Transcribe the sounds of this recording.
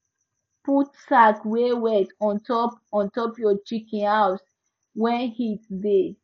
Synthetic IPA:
putsakwewɛtɔ̃ntɔpɔ̃ntɔpjɔt͡ʃikĩnhaʊs | wɛ̃nhitde

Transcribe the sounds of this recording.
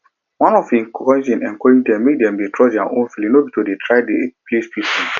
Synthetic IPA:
wãnɔfĩkɔ̃sĩnɛ̰̃nkɔɹĩŋdɛ̃mːedɛ̃mbitʰɹɔdãʔõnfilĩnobitʰodetʰɹaɪdeplespisĩn

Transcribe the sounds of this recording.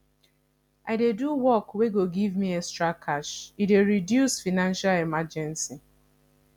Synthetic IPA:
aɪdeduwɔkweɡoɡivmiestɹakʰaʃideɹidjusfinãnʃalemad͡ʒɛ̃nsi

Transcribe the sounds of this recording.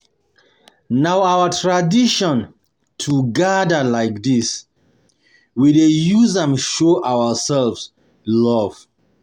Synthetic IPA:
naʊawətʰɹadiʃɔ̃n | tʰuɡadəlaɪk̚dis | widejuzɛ̃mʃoʔawəsɛlvs | lɔv̥

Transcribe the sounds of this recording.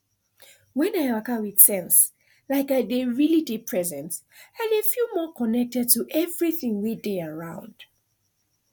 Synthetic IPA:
wɛ̃naɪakawið̥sɛ̃ns | laɪkaɪdeɹilidipʰɹ̥ɛzɛ̃nt | adefjumɔkʰɔnɛk̚tɛd̚tʰuʔɛvɹiθĩŋwideəɹãʊ̃nd̥

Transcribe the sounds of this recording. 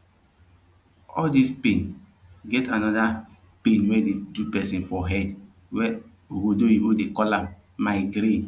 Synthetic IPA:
ɔldispẽn | ɡɛtanɔda | pẽnwɛdedupɛsĩnfɔɦɛd | wɛ | oɡodoibodekɔlãmː | aɪɡɾẽn

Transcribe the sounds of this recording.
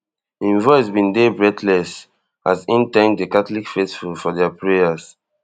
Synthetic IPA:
ĩnvɔɪsbĩndebɹɛtlɛs | azĩntɛ̃ŋkdekatlikfestfulfɔdɛapɹeas

